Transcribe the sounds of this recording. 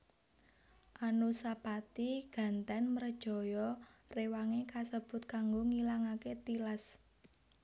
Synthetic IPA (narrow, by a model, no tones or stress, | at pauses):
ʔanusapat̪iɡ̥ä̤nt̪ɛnməɾəd̥ʒ̥ɔ̤jɔrewaŋekasəb̥ʊ̤t̪̚kaŋɡoŋilaŋaket̪ilas